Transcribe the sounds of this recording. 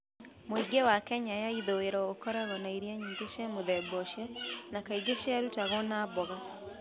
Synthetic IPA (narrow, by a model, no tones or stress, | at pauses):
moiɡewakɛɲajaiðoweɾɔɣokɔɾaɣɔnaiɾiaɲiːŋɡeʃamoðɛbɔʃjanakaiɡeʃaɾutaɣɔnaːbɔɣa